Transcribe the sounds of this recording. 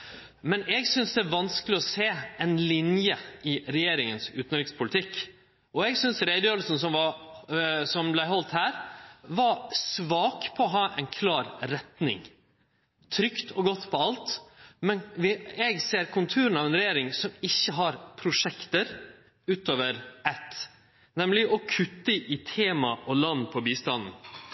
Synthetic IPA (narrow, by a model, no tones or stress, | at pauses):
mɛnɛɡsʏnsd̪ɛæʋɑnsklɪɔseːɛnlɪnjəɪɾɛjeːɾɪŋənsʉːt̪nɾɪkspʰʊlɪt̪ʰɪkː | ʔɔɛɡsʏnsɾæɪd̪əjøːʋlsn̩sɔmʋɑ | sɔmblæɪɦɔlt̪hæːɾʋɑsʋɑːkpʰɔɔɦɑːʔɛ̰ɪnkʰlɑːɾɾɛt̪nɪ̰ŋ | t̪ʰɾʏkt̪ʰɔɡɔt̪ːpʰɔɑlt̪mɛnʋɪɛɡseːɾkʰʊnt̪ʰʉːɾən̩ɑʋɛnɾɛjeːɾɪŋsɔmɪçːəɦɑɾpʰɾʊʂɛkt̪əɾ | ʉːt̪oːʋəɾɛt̪ː | nɛmlɪʔɔkʰʉt̪ːəʔɪt̪ʰeːmɑʔɔlɑnːpʰɔbiːst̪ɑnn̩